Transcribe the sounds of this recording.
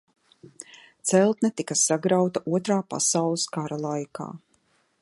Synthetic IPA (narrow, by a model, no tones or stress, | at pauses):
t̪sɛlˠt̪nɛt̪ikasaɡɾawt̪aʔuɔt̪ɾaːpa̰sawlˠɨskaɾalˠajka̰ː